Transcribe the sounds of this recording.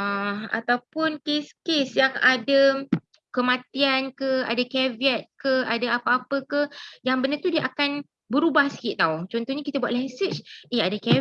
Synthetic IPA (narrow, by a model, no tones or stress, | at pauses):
a̰t̪awpʊnkeskesjaŋada | kəmãt̪iankəa̰dakɛviɛt̪̚kəadaapaapəkəjaŋbənət̪udiəʔakan | bəɾubahsə̥kɪt̪̚t̪aut͡ʃɔnt̪ɔhɲakit̪abuat̪ʔ̚lɛsət͡ʃeadakɛ